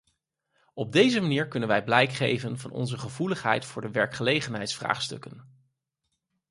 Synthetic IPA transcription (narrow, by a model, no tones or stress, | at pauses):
ɔb̚dejzəmaniːɹkɵnənʋɛjblɛjkχejvənvɑ̰nɔ̰nzəχəvuləχɦɛ̰jtfʊːɹdəʋɛɹkχəlejχənɦɛjtsfra̰ːχstɵ̰kən